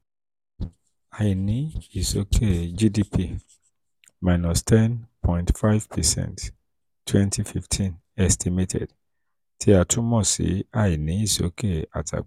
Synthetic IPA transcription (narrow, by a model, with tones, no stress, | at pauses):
a˨i˨nĩ˦i˨so˨˦kʰe˦˨d͡ʒi˦di˦pʰi˦ | ma˨ɪnɔ˨stʰɛ˦npʰɔ̃j̃ntfa˦jvpʰɛ˨sɛ̰̃˨nt | tʰːwɛ̃ntʰi˦fi˦ftʰĩ˦n | ɛ˨stʰime˦tʰɛ̰d | tʰi˨a˨tʰu˦mɔ˦sḭ˨˦a˨i˨nĩ˨˦i˨so̰˨˦kʰe˦a̰˨tʰa̰˨